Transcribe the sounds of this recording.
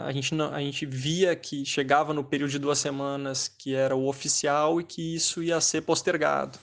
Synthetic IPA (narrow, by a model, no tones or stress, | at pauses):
a̰ʒẽnt͡ʃɪnɐ̃w̃a̰ʒẽnt͡ʃɪviɐkʰɪʃeɡavɐnʊpeɾiuwd̪ʊd͡ʒɪd̪uɐsemɐ̃nɐskɪɛɾɐʊofisiawɪkʰɪisʊiɐseɾpost̪eɾɡa̰d̪ʊ